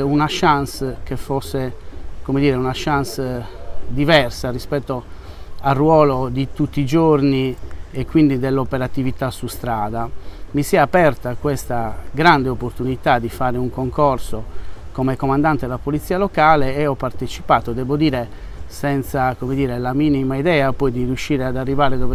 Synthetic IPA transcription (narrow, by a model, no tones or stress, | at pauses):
unaʃanskefosːekomed̪iːɾeunaʃans | d̪ivɛrsarispɛt̪ːo | arwɔːlod̪it̪ut̪ːid͡ʒorniekːwind̪id̪elːopeɾat̪ivit̪asust̪ɾaːd̪amisɛapɛrt̪akwest̪aɡɾand̪eopːort̪unit̪ad̪ːifaːɾeuŋkoŋkorsokomekomand̪ant̪eelapolit̪siːalokaːleːɔpːart̪et͡ʃi̥paːt̪od̪ɛbod̪iːɾe | sɛnt̪sakomed̪iːɾelamiːnimaiðɛːapɔjd̪iriuʃːiːɾead̪arːivaːɾed̪ɔve